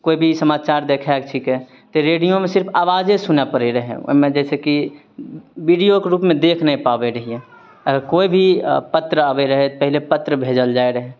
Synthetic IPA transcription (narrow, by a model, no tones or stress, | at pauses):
koːibʱisəmaːt͡ʃaːɾd̪eːkʰaɛkʈʰiːkɛ | t̪oɾeːɽijõmẽsɪɾpʰaːʋaːzesʊnapəɾeɾəɦḛ̃mẽd͡ʒɛːseki | ʋiːɖijokeɾuːpmẽd̪eːkʰnəĩpaːʋeɾəɦiẽ | əɡəɾkoːibʱipət̪ɾəaːʋeɾəɦeopɛɦlepət̪ɾəbʱeːd͡ʒəld͡ʒaːeɾəɦe